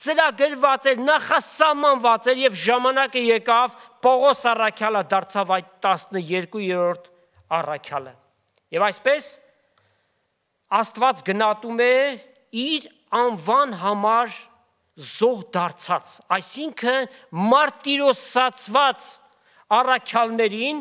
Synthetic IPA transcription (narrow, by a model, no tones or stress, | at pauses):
t͡səɾɑɡəɾvɑt͡sɛɾnɑχɑsɑhmɑnvɑt͡sɛɾjɛvʒɑmɑnɑkəjɛkɑvpɔʁɔsɑrɑkʰjɑləd̪ɑɾt͡sʰɑvɑjt̪ːɑsnəjɛɾkujɛɾɔɾt̪ʰ | ɑrɑkʰjɑlə̰ | jɛvɑjspɛs | ɑst̪vɑt͡sɡənɑt̪umɛ | iɾ | ɑnvɑnɦɑmɑɾ | zɔɦd̪ɑɾt͡sʰɑt͡sɑjsiŋkʰəmɑɾt̪ːiɾɔsɑt͡sʰvɑt͡s | ɑrɑkʰjɑlnɛɾin